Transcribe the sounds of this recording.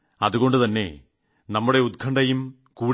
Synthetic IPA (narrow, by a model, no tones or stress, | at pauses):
ɐðuɣo̞ɳɖɨt̪ɐnːe̞̰ | nɐmːuɽe̞ud̪̚kʰɐɳɖɐjum | kuː